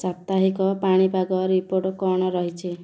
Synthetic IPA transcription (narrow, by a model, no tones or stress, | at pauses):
sat̪aɦikɔpaɽ̃ipaɡɔɾipoɾʈkɔɽ̃ɔɾɔɦit͡ʃʰi